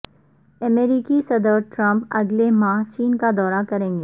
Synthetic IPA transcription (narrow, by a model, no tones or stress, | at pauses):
ɐmeːɾiːkisɐd̪əɾʈɾɐ̃mpɐɡlemãːɦt͡ʃiːnkad̪ɔːɾakɐɾẽːŋɡeː